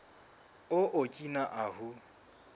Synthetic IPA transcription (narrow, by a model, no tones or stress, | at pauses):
ʊʔokʼinaʔahu